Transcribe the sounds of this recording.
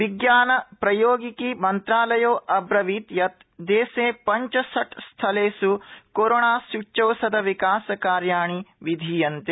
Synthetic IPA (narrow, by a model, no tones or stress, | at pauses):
ʋiɡjaːnɐpɾɐjoːɡikimɐnt̪ɾaːlɐjoːʔɐbɾɐʋiːt̪jɐt̪ | d̪eːseːpɐɲt͡ʃɐsɐʈst̪ʰɐleːsukoɾoːɳaːsut͡ʃɐwsɐd̪ɐʋikaːsɐkaːɾjaːɳiʋid̪ʱiːjɐnt̪e